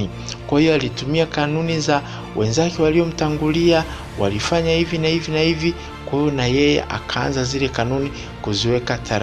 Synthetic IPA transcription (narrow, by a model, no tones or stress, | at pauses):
i | kwahijɔalitumiakanuniza | wʔɛnzakɛwaliɔm̩taŋɡulia | wa̰lifaɲahivinahivinahivi | kwahijɔnajɛjɛ̰ʔa̰kʰaa̰nzazilɛkanuni | kuziwɛkatʰaɾ